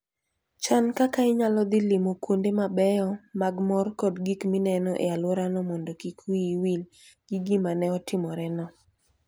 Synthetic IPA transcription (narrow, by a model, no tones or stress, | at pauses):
t͡ʃankakaɪɲalɔd̪ɪlimokwondemabɛjɔmaɡmɔrkɔdɡikminɛnɔʔḛalwɔɾanɔmɔndɔkikwiwil | ɡ̥iɡimanɛɔtɪmɔɾɛnɔ